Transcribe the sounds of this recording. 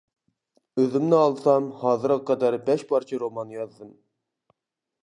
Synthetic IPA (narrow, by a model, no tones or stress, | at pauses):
øzɪmnɪɑlˠsɑmhɑːzɨɾʁɑqʰɑd̪æɾbɛʃpʰɑɾt͡ʃʰiɾomɑnːjɑzd̪ɨm